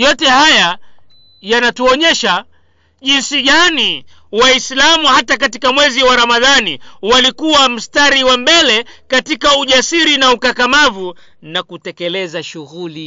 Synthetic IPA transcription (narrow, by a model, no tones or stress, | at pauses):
jɔtɛhaja | janatuɔɲɛʃa | ʄinsiɠani | waislamuhatakatikamwɛziwaɾamaðanḭwalikuwam̩staɾiwambɛlɛkatikauʄasiɾinaukakamavu | nakutɛkɛlɛzaʃuɣuli